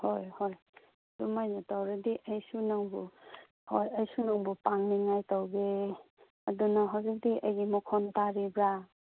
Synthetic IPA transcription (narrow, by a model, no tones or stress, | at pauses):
hojhoj | dumajnatawɾediʔɐjsunaŋbu | hojɐjsunaŋbupaŋniŋajtawɡe | ɐdunɐɦazik̚diʔɐjɡimɔkʰɔntaɾibɾa